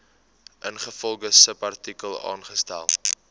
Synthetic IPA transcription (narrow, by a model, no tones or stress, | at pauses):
ʔənχəfɔlˠɡəsəpɐrtikəlˠɑ̰ːnχəstæ̰lˠ